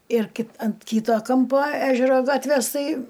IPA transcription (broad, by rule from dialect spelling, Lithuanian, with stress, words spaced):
ɪr kʲɪ ɐnt ˈkʲiːtoː ˈkɐmpoː ˈæːʒʲɛroː ˈɡɑːtʲʋʲeːs ˈtɐɪ